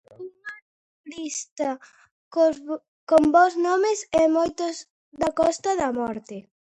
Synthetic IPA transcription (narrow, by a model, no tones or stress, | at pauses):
uŋɐ | ɾist̪ɐ | komboznɔmesɛmojt̪oz | ðɐkɔst̪ɐðɐmɔɾt̪ɪ